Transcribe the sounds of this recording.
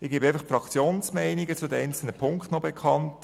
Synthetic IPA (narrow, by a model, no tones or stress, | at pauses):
ɪɡ̥e̥ːæɪfɑχfrɑkt͡sjoːnsmɛɪniɡət͡sʊdəɛɪnt͡sl̩nəpʰʊŋktnɔbɛkʰɑnt